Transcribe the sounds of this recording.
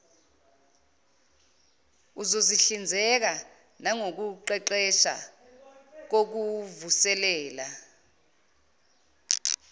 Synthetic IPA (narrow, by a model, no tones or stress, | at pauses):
uzoziɬind͡zʱɛk̬a | naŋok̬uǃɛǃɛʃa̰ | k̬ok̬uvusɛlɛːla